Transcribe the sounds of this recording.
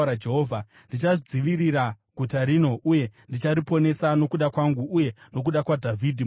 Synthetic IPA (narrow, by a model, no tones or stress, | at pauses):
ɾad͡ʒe̞ɦoːvʱa | ndit͡ʃaʐid͡ziʋiriɾa | ɡʱutaɾino̞ʔuje̞ndit͡ʃaɾipo̞ne̞sano̞kuɗakwaŋɡuːje̞no̞k̬uɗakwadʱavʱidʱi